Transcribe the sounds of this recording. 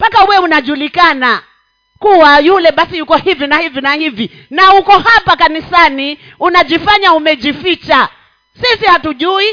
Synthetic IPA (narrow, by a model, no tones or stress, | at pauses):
pakauwɛunaʄulikana | kuwajulɛɓasijukɔhivinahivinahivi | naukɔhapakanisani | unaʄifaɲaumɛʄifit͡ʃa | sisihatuʄui